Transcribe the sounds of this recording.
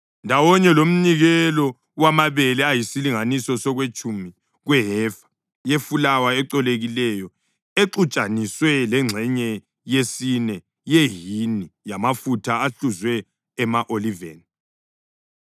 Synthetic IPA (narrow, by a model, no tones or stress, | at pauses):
ndʱawɔɲɛlom̩ɲiɣɛlɔ | wamaβɛlɛajisiliŋanisɔsɔɣwet͡ʃʼumi | ɣwɛɦɛfḁ | jefulawaɛǀɔleɣilɛjɔ | eǁut͡ʃʼaniswɛlɛŋ͡ǀʱɛɲɛ | jesinɛ | jeɦinijamafutʰaːɬuzwɛː | maʔolivḛːni